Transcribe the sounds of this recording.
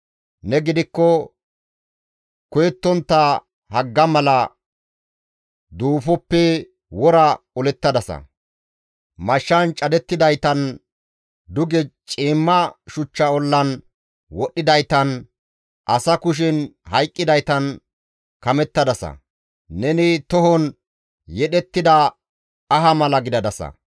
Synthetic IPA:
nɛɡɪd̪ɪkːɔ | kʊjɛt̪ːɔnt̪ːɐ | hɐɡːɐmɐlɐ | d̪uːfɔpːɛ | wɔɾɐɔlɛt̪ːɐd̪ɐsɐ̰ | mɐʃːɐnt͡ʃʼɐd̪ɛt̪ːɪd̪ɐjt̪ɐn | d̪ʊɡɛt͡ʃʼiːmːɐʃʊt͡ʃːɐɔlːɐn | wɔɗːɪd̪ɐjt̪ɐn | ʔɐsɐkʊʃ̬ɪnhɐjkʼːɪd̪ɐjt̪ɐn | kɐmɛt̪ːɐd̪ɐsɐ̰ | nɛnɪt̪ɔɦɔn | jɛɗɛt̪ːɪd̪ɐ | ɐɦɐmɐlɐɡɪd̪ɐd̪ɐsɐ̰

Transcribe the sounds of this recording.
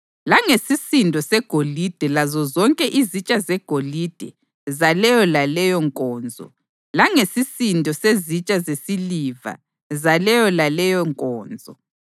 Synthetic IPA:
laŋesisindʱɔsɛɡ̥ʱolid̥ʱɛlazɔzɔŋkʼɛʔizit͡ʃʼazɛɡ̥ʱolid̥ʱɛ | zalɛjɔlalɛjɔŋkʼɔːnd͡zʱɔ̰ | laŋesisindʱɔsezit͡ʃʼazesiliva̰ | zalɛjɔlalɛjɔŋkʼɔːnd͡zʱɔ

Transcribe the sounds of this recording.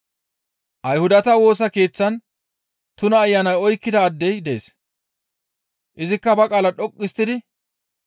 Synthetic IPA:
ʔɐjhʊd̪ɐt̪ɐwo̞ːs̬ɐke̞ːt͡sːɐn | t̪ʊnɐːjːɐnɐjɔjkːɪd̪ɐːd̪ːɛjd̪e̞̰ːs | ʔɪzɪkːɐbɐkʼaːlɐᶑɔkʼːɪst̪ːɪd̪ɪ

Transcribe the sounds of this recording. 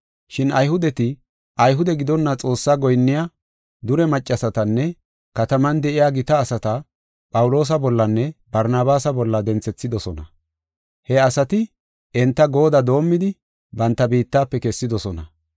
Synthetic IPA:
ʃɪnʔɐjɦʊd̪ɛt̪ɪ | ʔɐjɦʊd̪ɛɡɪd̪ɔnːɐt͡sʼo̞ːsːaːɡɔjnːɪja | d̪ʊɾɛmɐt͡ʃʼːɐsɐt̪ɐnːɛ | kɐt̪ɐmɐnd̪ɛʔɪjaɡɪt̪ɐːsɐt̪ɐ | pʼɐwʊlo̞ːs̬ɐbɔlːɐnːɛbɐɾnaːbaːsɐbɔlːɐd̪ɛnt͡sːɛt͡sːɪd̪ɔsɔnɐ | hɛɐsɐt̪ɪ | ɛnt̪ːɐɡo̞ːd̪ɐd̪o̞ːmːɪd̪ɪ | bɐnt̪ːɐbiːt̪ːaːpːɛkɛsːɪd̪ɔsɔnɐ

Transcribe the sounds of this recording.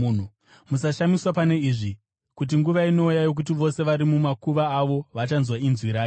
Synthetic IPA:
nu | musaʃamiswapane̞iʐi | kut̬iŋɡuʋaino̞ujajo̞k̬ut̬iʋo̞se̞ʋaɾimumakuʋaːʋo̞ʋat͡ʃanzwainzwiɾaːji

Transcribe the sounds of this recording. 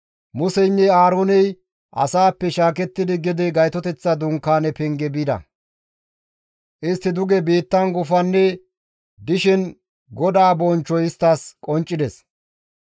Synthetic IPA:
mʊsɛjnːɛaːɾoːnɛj | ʔɐ̰saːpːɛʃaːkɛt̪ːɪd̪ɪɡɪd̪ɛɡɐjt̪ɔt̪ɛt͡sːɐd̪ʊŋkːaːnɛpɛŋɡɛbid̪ɐ̰ | ʔɪst̪ːɪd̪ʊɡɛbiːt̪ːɐnɡʊfɐnːɛ | d̪ɪʃɛn | ɡɔd̪aːbɔnt͡ʃːɔjɪst̪ːaːskʼɔnt͡ʃʼːɪd̪ɛs

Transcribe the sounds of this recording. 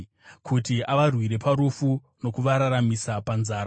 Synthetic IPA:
kʰutiaʋarwiɾe̞paɾufu | no̞kuʋaɾaɾamisapanzaːɾa

